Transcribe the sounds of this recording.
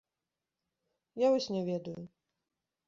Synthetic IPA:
javɔsʲnʲɛvʲɛd̪ɐju

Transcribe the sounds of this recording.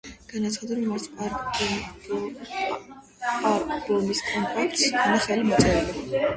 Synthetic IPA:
ɡ̥anat̪sʰχad̪aɾɔmaɾsʰaɾ | aɾɾɔmiskʼɔnt̪ʼak̚ʰt̪sanaχɛlimɔt̪sʼɛɛlɛ

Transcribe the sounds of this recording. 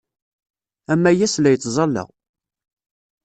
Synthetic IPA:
æmːæjæslæjət͡sːzˤɑlːə̰ʁ

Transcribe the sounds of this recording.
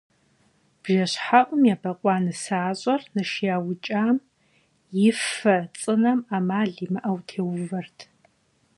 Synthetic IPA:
b̥ʒɐɕħaʔʷʼʊmjabɐqʷʼɑːnɨsaːɕʼɐrnɨʃjaːwʊt͡ʃʼaːm | jɪfɐt͡sʼɨnɐmaːmaːɮimɨʔɐwtʰeːwʊvɐrtʰ

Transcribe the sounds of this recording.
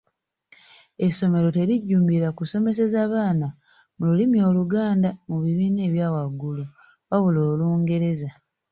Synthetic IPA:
e̞so̞me̞ɾo̞te̞ɾiɟːuːmbiɾakuso̞me̞se̞zaːβaːna | mululimio̞ːluɡaːndamuβiβiːne̞ːβjaːwaɡːulu | βaβuloːluːŋɡe̞ɾe̞za

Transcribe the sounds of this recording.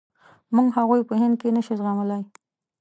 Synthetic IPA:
muɡɦaɣujpəhɪnd̪̚kenəʃizɣamalaj

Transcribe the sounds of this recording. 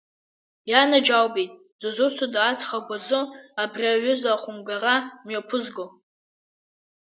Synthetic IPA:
janad͡ʒawbitʼ | d̥azʊrtʰadaːt͡sʰʼχaɡʷazɨabrʲiaɥʊzaχʷʊmɡaramɥapʰʊzɡo

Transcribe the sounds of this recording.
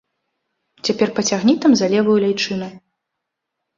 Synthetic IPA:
t͡sʲapʲɛrpɐt͡sʲaɣnʲit̪ɐmzalʲɛvɐjulʲajt͡ʂɨnɐ

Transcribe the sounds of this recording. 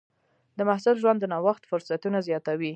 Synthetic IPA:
d̪əmahsʊlʒwand̪ənɑwaxt̪fʊɾsat̪unazjɑt̪awi

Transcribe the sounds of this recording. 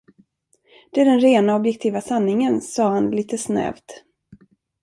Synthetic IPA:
d̪̥ɛæɖɛnɾeːnaɔbjɛk̚t̪ʰiːvasanːɪŋənsɑːhanliːt̪əsnɛ̰ːvt̪

